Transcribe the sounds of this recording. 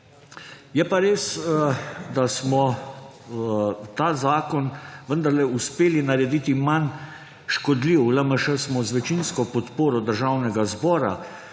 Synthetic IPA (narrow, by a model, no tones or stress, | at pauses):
jɛpaɾeːs | d̪asmɔ | t̪aːzaːkɔnʋənd̪aɾlɛuspeːlinaɾɛd̪iːt̪iman | ʃkɔd̪liʋləməʃəsmɔzʋɛt͡ʃinskɔpɔt̪poːɾɔd̪əɾʒaːwnɛɡazbɔːɾa̰